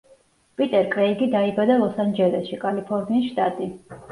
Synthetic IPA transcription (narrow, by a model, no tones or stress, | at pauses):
pʼit̪ʼɛɾkʼɾɛiɡid̪aibad̪alˠɔsand͡ʒɛlɛsʃikʼalipʰɔɾniːsʃt̪ʼat̪ʼi